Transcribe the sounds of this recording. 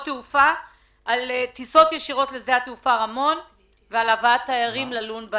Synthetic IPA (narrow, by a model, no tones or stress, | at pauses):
teufa | ʔːlet̪iso̞t̪jeʃiʁo̞t̪lezeat̪eufaʁamo̞n | vealavaat̪ːajaʁimlalunba